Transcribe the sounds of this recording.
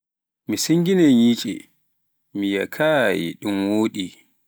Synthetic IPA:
misiŋɡinɛjiːt͡ʃʼḭ | mija̰kʰaːjḭɗumwoːɗi

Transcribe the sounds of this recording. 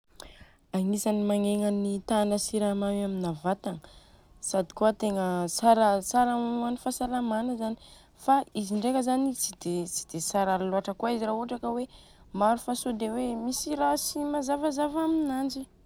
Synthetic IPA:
aŋisanimaŋeŋanit̪anəsiɾamawaminavat̪aŋə | sad̪i̥kuət̪eŋəsaɾəsaɾauanifasalamanəzani̥ | faiziɳɖ͡ʐekəzanit͡sid̪et͡si̥d̪̥esaɾalaluaʈ͡ʂəkuaiziɾaɦuʈ͡ʂakəwe | maɾufasod̪ewemisiɾasimazavazavaminand͡ʒi

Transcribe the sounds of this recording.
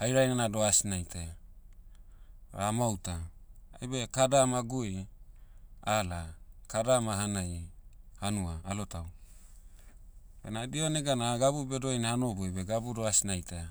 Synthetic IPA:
hajɾajnanadoasinajtʰa | ɾamawtaajbekadamaɡui | alakadamaɦanajhanuaːlotaw | benadioneɡanaɡabubedojnahanobubeɡabudoasinajta

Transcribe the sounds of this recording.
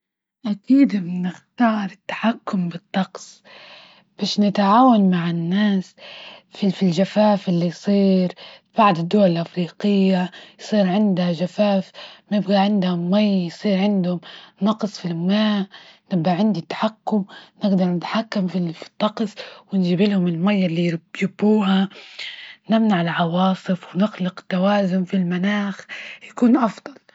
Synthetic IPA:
ʔakiːd̪mnɪxt̪ɑːɾˤɪt̪ːḁħakːʊmbɨt̪ˤːɑqsˤ | b̥aːʃnɪt̪ʕaːwanmaʕɪnːaːsfifilʒafaːfʔɪlːijsˤiːɾb̥aʕd̪ˤɪd̪ːuwːalɪlʔafɾiːqɪjːajsˤiːɾʕɪnd̪haʒafaːfmaɪbɡaʕɪnd̪hʊmːajjsˤiːɾʕɪnd̪hʊmnɑqsˤfilmaːnɪbɡaʕɪnd̪it̪ːḁħakːʊmnɪɡd̪ɑɾˤnɪt̪ḁħakːamfifi̥t̪ˤːɑqsˤwɪnʒɪbɪlhʊmɪlmajːɪlːijɪbːuːha | nɪmnaʕɪlʕɑwɑːsˤɨfwnɪxlɪqt̪ːawaːzʊmfilmanaːxjakuːnʔɑfd̪ˤɑl

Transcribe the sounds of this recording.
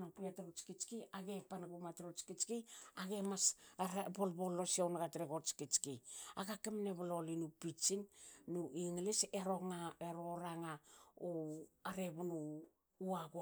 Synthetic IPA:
nopiatɾot͡ʃkit͡ʃkiaɡe̞panɡumatɾot͡ʃkit͡ʃkiaɡe̞masbolbolːo̞siawnɡatɾeɡot͡ʃkit͡ʃkiaɡakemneβalo̞linupit͡ʃinnuiŋleseɾoŋaeɾoɾaŋaoaɾeβunu | uaɡo

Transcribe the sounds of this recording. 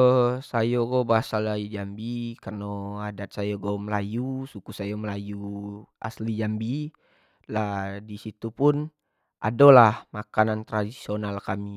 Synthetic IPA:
sajoɡobaɦasalajud͡ʒambikarnoadat̪̚sajaɡawməlajusukusajaməlajuʔa̰slid͡ʒambi | ladisit̪upʊn | ʔa̰dolahmakanant̪ɾadisionalkami

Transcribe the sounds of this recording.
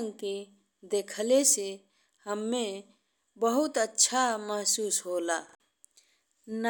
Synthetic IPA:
ŋke | d̪eːkʰlese | həmːẽ | bəɦʊt̪ətːʃʰaməɦsuːsɦoːlaː | n

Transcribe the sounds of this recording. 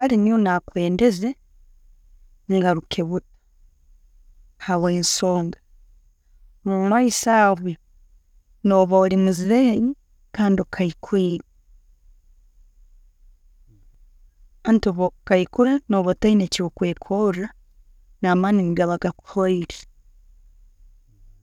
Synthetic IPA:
aɾinionakweːndeze | ŋɡaɾukʰeβuɾa | hawensoːŋɡa | muɾwaisaːβwe | noβoɾimuziɾei | kaːndiokʰaikʰwiːɾe | antoβokaikuɾenoβotaineciβokweːkʰoa | namaniniɡaβaɡaku̥hoiɾe

